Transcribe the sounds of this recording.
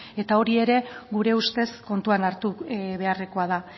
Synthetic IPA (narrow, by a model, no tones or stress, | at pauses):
e̞t̪ao̞ɾie̞ɾe̞ɡuɾe̞ust̪e̞sko̞nt̪uanaɾt̪uβe̞are̞ko̞aða